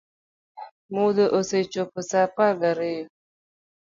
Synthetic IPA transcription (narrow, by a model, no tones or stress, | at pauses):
mud̪əʔoset͡ʃopəsapaɡaɾej